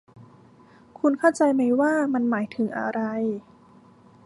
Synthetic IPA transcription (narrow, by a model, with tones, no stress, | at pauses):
kʰu˧nkʰaː˥˩wt͡ɕa˧jma˧jwaː˥˩ma˧nmaː˩˦jt̪ʰɯ˩˦ŋʔa̰˧ɾa˧j